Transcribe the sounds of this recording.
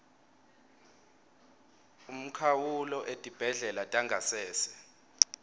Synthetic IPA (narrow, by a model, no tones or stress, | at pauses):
um̩kʰawulɔʔetʼib̥ʱɛɮɛlatʼaŋɡʱasɛːsɛ̥